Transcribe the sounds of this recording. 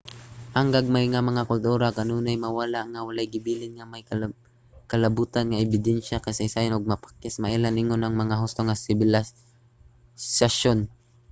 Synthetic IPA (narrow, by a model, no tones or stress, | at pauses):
ʔaŋɡaɡ̚majŋamɐŋakʊlt̪uːɾakanuːnajmawalaʔŋawalajɡɪbiːlɪŋŋamajk | kɐlabuːt̪anŋaʔɪbɪd̪ɛnʃakajsajsajɪnʊɡ̚mapḁkːɪsmaʔilanʔɪŋonaŋmɐŋaɦʊst̪oŋasɪbɪla | saʃon